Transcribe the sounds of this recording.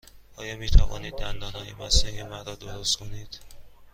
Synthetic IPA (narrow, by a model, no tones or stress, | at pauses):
ɒːjɒːmiːt̪ʰævɒ̰ːniːd̪ːænd̪ɒːnhɒːjemæsiːemæɾd̪ɒːd̪oɾost̪kʰoniːd̪̥